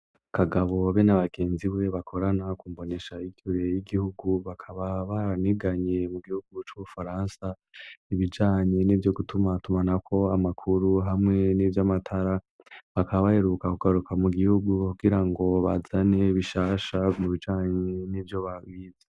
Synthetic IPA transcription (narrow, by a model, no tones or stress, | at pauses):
kʰaɡaβo̞βe̞naβaɡ̥e̞ːnziwe̞βakʰo̞ɾanakuːmbo̞ne̞ʃaiɡuɾejiɡihuɡuβakʰaβaβaɾaniɡaɲe̞muɡihuɡut͡ʃuβufaɾaːnsa | iβid͡ʒaːɲe̞nivjo̞ɡutʰumatumanakʰo̞amakʰuɾuɦamŋe̞nivjamatʰaɾa | βakaβaβaheɾukakuɡ̥aɾukamuɡihuɡukuɡiɾaŋɡo̞βazane̞βiʃaːʃamuβid͡ʒaːɲenivjo̞βawiːze